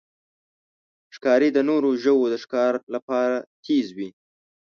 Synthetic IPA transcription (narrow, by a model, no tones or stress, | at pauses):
ʂkɑɾed̪ənoɾoʒəwod̪əʃkɑɾlapɑɾat̪ʰezwi